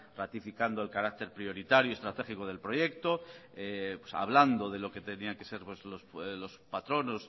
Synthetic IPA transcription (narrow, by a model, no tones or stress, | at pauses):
rat̪ifikand̪oe̞lkaɾak̚t̪e̞ɾpɾjo̞ɾit̪aɾjue̞st̪ɾat̪e̞xikoð̞e̞lpɾoje̞kt̪o̞epwesa̰β̞land̪o̞ðe̞loke̞t̪e̞niaŋke̞se̞ɾpwezloslo̞spat̪ɾo̞no̞s